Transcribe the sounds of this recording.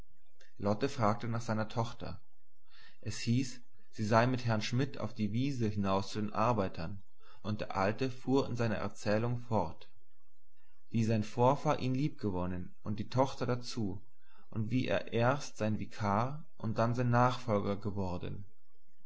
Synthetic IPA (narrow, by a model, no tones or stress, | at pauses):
lɔtəfʁ̥aːk̚tənaːχz̥aɪnɐtʰɔχtɐ̰ | ʔɛshiːs | z̥iːzaɪmɪthɦɛɐnʃmɪta̰ʊfd̥iːviːzəhɪnaʊst͡sudeːnʔaɐbaɪtʰɐn | ʔʊnt̚d̥eːɐʔaltəfuːɐɪ̰nzaɪnɐ̰ʔɛ̰ɐt͡sɛːlʊŋfɔɐt | v̥iːzaɪnfoːɐfaːlʔiːnliːp̚ɡ̥əvɔnən | ʔʊnt̚d̥iːtʰɔχtɐdat͡suː | ʔʊntv̥iːʔḛːɐʔeːɐstz̥aɪnvikʰaː | ʔʊnt̚d̥anzaɪnːaːχfɔlɡɐɡəvɔɐdn̩